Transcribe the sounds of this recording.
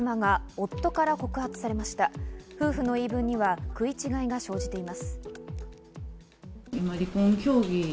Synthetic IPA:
maɡao̞t̪ːo̞kaɾako̞kɯ̟hat͡sɨ̥saɾe̞maɕi̥t̪aɸɯ̟ːɸɯ̟no̞iːbɯ̟̃ɲ̟ːiβakɯ̟it͡ɕiɡaiɡaɕo̞ːʑit̪e̞imasɨ̥ | imaɾʲikõŋkʲo̞ːɡʲi

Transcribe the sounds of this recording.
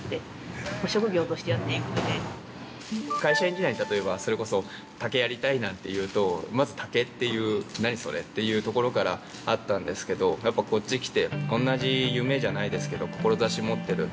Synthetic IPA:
t̪e | oɕo̞kɯ̟ɡʲo̞ːt̪o̞ɕi̥t̪ejat̪ːeikɯid̪e | kaiɕaeɲkʲiaɲ̟it̪at̪o̞e̞baso̞ɾe̞ko̞so̞ | t̪ake̞jaɾʲit̪ainãnt̪e̞jɯ̟ːt̪o̞mazɨt̪ʰake̞t̪ːe̞jɯ̟ːnaɲ̟iso̞̰ɾet̪ːe̞jɯ̟ːt̪o̞ko̞ɾo̞kaɾa̰ | at̪ːãnd̪e̞sɨ̥ke̞d̪o̞japːako̞t͡ɕːikʲi̥t̪e̞õ̞nːaʑijɯ̟ːme̞ːʑanaid̪e̞sɨ̥ke̞d̪o̞ko̞̥ko̞ɾo̞zaɕimo̞t̪ːe̞ɾɯ̟

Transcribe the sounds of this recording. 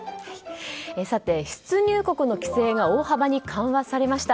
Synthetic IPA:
esat̪e̞ɸɯ̥t͡sɨɲ̟ɨːko̞kɯ̟no̞kʲi̥se̞ːɡao̞ːhabaɲ̟ikʰãβasaɾe̞maɕi̥t̪a

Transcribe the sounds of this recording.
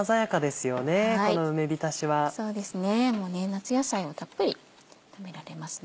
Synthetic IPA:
azajakad̪e̞sɨjo̞ne̞akoinoɯme̞bʲit̪aɕiβaso̞ːd̪e̞sɨne̞mo̞ːne̞nat͡sɨjasaio̞t̪ʰapːɯ̟ɾʲi | t̪ʰame̞ɾaɾe̞masɨ̥n

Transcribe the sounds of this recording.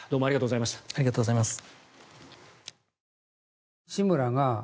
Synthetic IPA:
d̪oːmoaɾiɡat̪oːɡo̞zaimaɕt̪ḁaɾʲiɣat̪oːɡzaimasɨ̥ | ɕimɯɾaŋa

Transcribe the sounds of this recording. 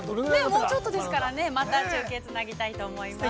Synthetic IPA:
emoːt͡ɕo̞t̪ːod̪e̞s̬ɨ̥kaɾane̞mat̪at͡ɕɨːke̞t͡sɨnaɡʲit̪ait̪o̞ːmo̞ima

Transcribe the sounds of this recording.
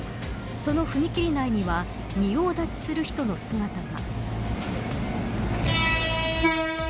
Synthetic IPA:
so̞no̞ɸɯ̟mʲikʲiɾʲinaiɲ̟iβa | mʲio̞ːd̪at͡ɕi̥sɨɾɯ̟çi̥t̪o̞no̞sɨŋat̪aɡa̰

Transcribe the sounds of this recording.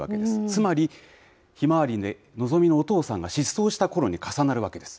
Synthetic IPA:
βa̰ke̞d̪esɨ̥t͡sɨmaɾʲi | çimaβaɾʲine | no̞zo̞mʲino̞ːt̪o̞ːsãŋɡaɕisːo̞ːɕi̥t̪ako̞ɾo̞ɲ̟ikasanaɾɯ̟βake̞d̪e̞sɨ̥

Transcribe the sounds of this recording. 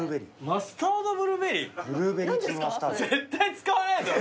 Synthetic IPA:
ɾɯbeɾʲimasɨ̥t̪aːd̪obɯɾɯbeɾʲibɯɾɯbeɾiast̪azet̪ːait͡sɨ̥kaaɾet̪o

